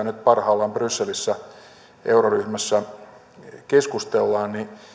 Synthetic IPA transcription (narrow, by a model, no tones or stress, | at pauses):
ænyt̪̚pɑrhɑːlːɑmbrysːelisːæ | ʔeuroryhmæsːæ | keskust̪elːɑːnni